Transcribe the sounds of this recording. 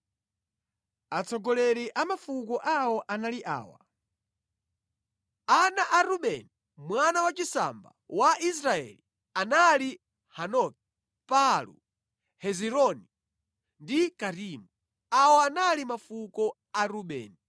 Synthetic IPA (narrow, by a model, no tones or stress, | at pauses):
at͡sɔɡɔlɛɾiʔamafukɔʔawɔʔanaliʔa̰ːwa̰ | anaʔaɾuɓɛni | mwanawat͡ʃisa̰mba̰waʔis̬ɾaɛ̰li | anali | hanɔk̚ɛ | palṵ | hɛziɾɔni | ndikaɾimu | awɔanalimafukɔ | aɾuɓɛ̰ːni